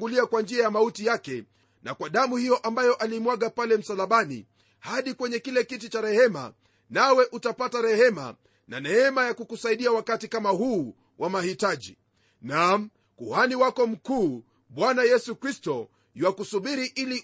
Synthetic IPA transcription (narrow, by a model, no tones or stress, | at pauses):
ɡuliakwand͡ʒiajamautijakɛ | nakwaɗamuhijɔʔambajɔʔalimwaɠapalɛm̩salaɓanḭ | haɗikwɛɲɛkilɛkitit͡ʃaɾɛhɛma̰ | nawɛʔutapataɾɛhɛma̰ | na̰nɛɛmajakukusaiɗiawakatikamahuː | wʔamahitaʄḭ | nam̩ | kuhaniwakɔm̩kuː | ɓwanajɛsukɾistɔ | wakusuɓiɾiʔili